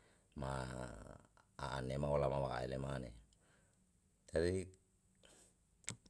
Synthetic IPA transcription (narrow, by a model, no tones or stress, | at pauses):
ma | a̰ʔanemaolamawaa̰ɛlemane | t̪aɾi